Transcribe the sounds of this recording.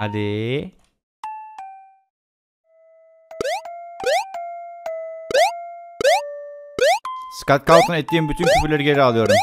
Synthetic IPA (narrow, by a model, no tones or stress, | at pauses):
aɾi | skat̪kalˠt̪ɯnɛt̪̚d̪iːnbyt̪ʰynpʰopylʲæɾɟeɾialˠɯjo̞ɾm